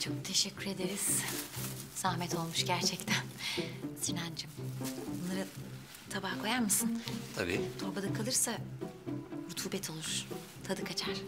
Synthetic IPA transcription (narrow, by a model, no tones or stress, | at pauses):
t͡ʃʰo̞k̚t̪ʰe̞ʃɛcʲʰːyɾe̞d̪eɾiz̥ | sahmɛt̪ʰo̞lˠmuʃɟæɾt͡ʃʰɛct̪ʰænsinand͡ʒimbunːˠaɾɯ | t̪ʰabahkʰo̞jaɾmɯsɯnt̪ʰabḭːt̪ʰo̞ɾbad̪akʰalˠɯɾsa | ɾut̪ʰuːbɛt̪ʰo̞lˠuɾ̥ | t̪ʰad̪ɯkʰat͡ʃʰaɾ̥